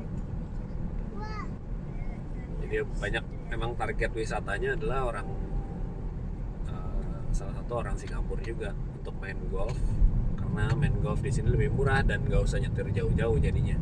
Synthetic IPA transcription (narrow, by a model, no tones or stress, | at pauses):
d͡ʒadibaɲak̚memaŋt̪arɡɛt̪̚wisat̪aɲaːdalahoɾaŋ | əsalasat̪uoɾaŋsiŋampʊrd͡ʒuɡaunt̪ʊk̚manɡɔlfkarənamɛnɡɔlfdisiniləbɪhmuɾahdanɡausaɲat̪ɪrd͡ʒaʊhd͡ʒaʊhd͡ʒadiɲa